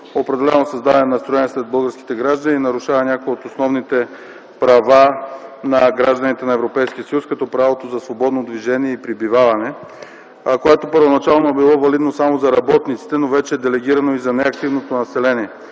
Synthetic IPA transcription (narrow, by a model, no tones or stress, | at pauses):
opɾɛd̪ɛlɛnosɐzd̪avɐnɛnɐst̪ɾoɛniɛslɛd̪̚bɤlˠɡəɾsk̟i̥t̪ɛɡɾaʒd̪əniːnɐɾuʃavɐnʲakojot̪osnɔvnit̪ɛ | pɾɐvanɐɡɾaʒd̪ɐnit̪ɛnɐɛvɾopɛjsk̟iəsɐjuskɐt̪ɔpɾavot̪ozɐsvobɔd̪nod̪viʒɛniɛipɾibivavɐnɛ | koɛt̪opəɾvonɐt͡ʃalˠnoɛbilˠɔvɐlid̪nosamozɐɾɐbɔt̪nit̪si̥t̪ɛnovɛt͡ʃɛɛd̪ɛlɛɡʲiɾɐnoizɐnɛɐk̚t̪ivnot̪onɐsɛlɛniɛ